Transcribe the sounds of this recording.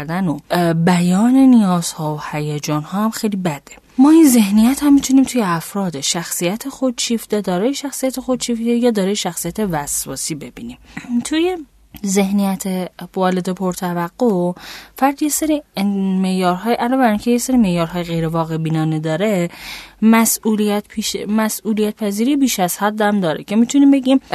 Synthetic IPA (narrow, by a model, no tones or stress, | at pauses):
ɾd̪ænobæjɒːne̞nijɒːz̥hɒːohæjæd͡ʒɒːnhɒːæmxejlibæd̪̥e | mɒːinze̞hnijæt̪hæmːit̪ʰuniːmt̪ʰujeæfɾɒːd̪eʃæxsijæt̪ʰexo̞d̪̥t͡ʃʰift̪ed̪ɒːɾɒːjeʃæxsijæt̪ʰexo̞d̪̚t͡ʃʰiːft̪ejɒːd̪ɒːɾɒːjeʃæxsijæt̪ʰe̞væsvɒ̰ːsiːbe̞biːniːmt̪ʰuje | ze̞hnijæt̪ʰevɒːled̪epʰoɾt̪ʰævæɡːofæɾd̪ije̞seɾime̞ʔjɒːɾɦɒːjʔælɒːbæɾiːncʰe̞jeseɾiːme̞ʔjɒːɾɦɒːjeɣe̞jɾevɒːɣe̞biːnɒːned̪ɒːɾe̞mæsuːliæt̪pʰiʃmæsuːlijæt̪̚pʰæziːɾiːbiːʃæz̥hæd̪ːæmd̪ɒːɾḛcʰe̞mit̪ʰuniːmbe̞ɟiːm